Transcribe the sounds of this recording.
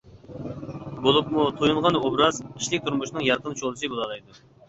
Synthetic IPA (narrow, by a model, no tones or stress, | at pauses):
bolˠup̚mut̪ʰojulˠʁɑnobɾɑziʃlɪk̚ʲt̪ʰuɾmuʃinɨŋjɑɾq̪ənt͡ʃʰolˠsɨbolˠɑlˠɑjd̪u